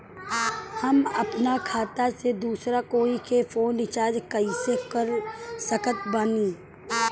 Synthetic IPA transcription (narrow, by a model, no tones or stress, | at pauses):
hɐmɐpnakʰaːt̪ased̪uːsɾakoːĩkefoːnɪt͡ʃaːd͡ʒkɐisekəɾsɐkət̪̚baniː